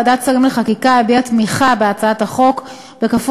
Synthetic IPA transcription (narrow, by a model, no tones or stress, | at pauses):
d̪atsaʁimleχakikaebiatmiχabeat͡saathaχo̞k | bekaf